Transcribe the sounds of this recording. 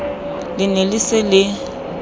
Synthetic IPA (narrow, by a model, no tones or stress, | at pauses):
lɪnelisɪlɪ